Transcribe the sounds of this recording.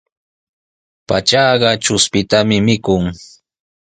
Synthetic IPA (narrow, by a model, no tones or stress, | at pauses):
pat͡ʃɑːɢɑt͡ʃʊspɪt̪amɪmɪkʊŋ